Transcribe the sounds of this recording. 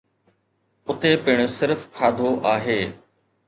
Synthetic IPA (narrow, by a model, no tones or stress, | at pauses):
ʊt̪epɪɽ̃ʊsɪɾfkʰaːd̪ʱoʔaːɦeː